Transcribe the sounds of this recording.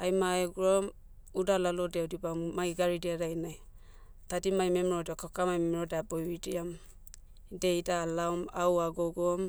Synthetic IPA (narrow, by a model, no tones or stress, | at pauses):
ajmaeɡuɾɔm | udalalodewdibammajɡaɾidiaɾajnaj | tadimajmemɾɔdiakakamajmemɾɔdeabɔjwidiam | dejdalawmawaɡɔɡɔm